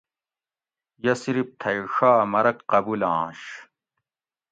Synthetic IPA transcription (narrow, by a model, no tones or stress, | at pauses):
jɐsiɾip̚t̪ʰɐjʂaːmɐɾɐkqɐbulãːɕ